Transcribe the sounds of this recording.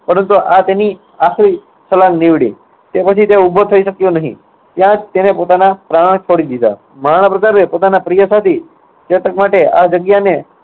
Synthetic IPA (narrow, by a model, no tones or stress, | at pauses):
pəɾənt̪uʔat̪eni | axli | səlanːiʋɽḭ | t̪epət͡ʃʰit̪eubʱot̪ʰəiʃəkjonəɦḭ̃ | t̪jãt̪enepot̪anapɾaɳ̃t͡ʃʰoɽid̪id̪a̰ | maɽ̃əpɾəkaɾepot̪anapɾijəsat̪ʰi | t͡ʃet̪əkmaʈeʔad͡ʒəɡjane